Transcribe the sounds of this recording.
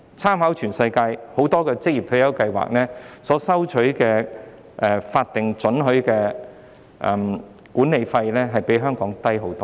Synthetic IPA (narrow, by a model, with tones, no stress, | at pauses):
t͡sʰaː˥mha˨˥wt͡ʃʰyː˨˩nsɐ˧jkaː˧jho˨˥wt̪ɔː˥kɛː˧t͡sɪ˥k̚jiː˨p̚t̪ʰɵ˨˥jɐ˨˥wkɐ˧jwa̰ː˨k̚nɛː˥sɔː˨˥sɐ˥wt͡ʃʰɵ˨˥ɥkɛː˧ | ʔɛː˨faː˧t̚t̪ɪ˨ŋt͡ʃɵ˨˥nɦɵ˨˥ɥkɛː˧ | ʔɛ˨˩m | kuː˨˥nːe˨˧jfɐ˧jlɛː˥ɦɐ˨jpe˨˥jɦœː˥ŋkɔː˨˥ŋt̪ɐ˥jɦo˨˥wt̪ɔː˥